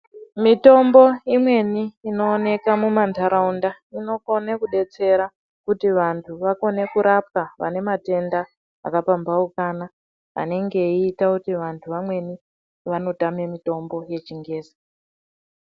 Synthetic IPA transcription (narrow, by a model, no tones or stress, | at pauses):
mito̞mbo̞imwe̞niːno̞ːne̞kamumantʰaɾaunda | ino̞ko̞nekuɗe̞t͡se̞ɾa | kutiʋantʰuʋako̞ne̞kuɾap̚kaʋa̰ne̞mate̞nda̰ː | kapambaukaːna | a̰ne̞ŋɡe̞iːtakutiʋantʰuʋamwe̞ni | ʋano̞tame̞mito̞mbo̞je̞t͡ʃiŋɡe̞ːzi